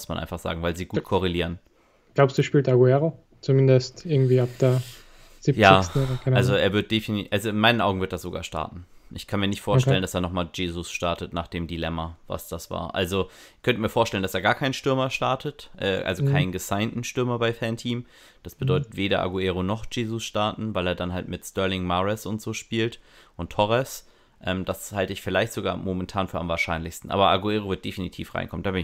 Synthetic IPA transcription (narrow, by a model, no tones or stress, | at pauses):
ʊsmanʔa̰ɪnfaχz̥a̰ːɡŋ̩vaɪlziːɡuːt̚kʰɔʁ̞eliːʁən | ɡ̥laʊpsd̥uːʃpiːltaɡuɛʁo | t͡sumɪndəstʔɪɐɡŋ̩tv̥iːap̚d̥eːɐ | z̥iːjaɪːsn̩ːaalzoʔeːɐvɪɐt̚d̥efinʔalzoɪnmaɪnənʔa̰ʊɡŋ̩vɪɐtd̥asz̥oɡa̰ːɐʃta̰ɐtn̩ʔɪçkʰanmiːɐnɪçtfoːɐʃtɛləndaseːɐnɔχmaːld͡ʒeːzʊsʃtaɐtətna̰ːχd̥eːmdilɛmɐva̰sd̥asv̥a̰ːɐʔa̰lzo | kʰœntəmiːɐfoːɐʃtɛlənd̥aseːɐɡaːɐkʰaɪnʃtʏɐmɐʃtaɐtʰətʔɛ̰ːʔa̰lzokʰaɪnɡəzaɪntn̩ʃtʏɐmɐbaɪfɛntʰiːm | d̥asb̥ədɔʏtətv̥eːɾɐʔa̰ɡueːʁonɔχd͡ʒeːzʊsʃtaɐtn̩vaɪleːɐdanɦaltmɪtstœɐlɪŋmaʁɛsʊntz̥oːʃpiːltʔʊntʰːɔʁɛs | ʔɛːmd̥ashaltəɪçfɪlaɪçtz̥oɡa̰ːmomɛntʰaːnfyːɐʔamvaːɐʃaɪnlɪçstn̩ʔa̰ːbɐʔaɡueːʁ̞ovɪɐt̚d̥efinitʰḭːfʁa̰ɪnkʰɔmnd̥aːbɪnɪ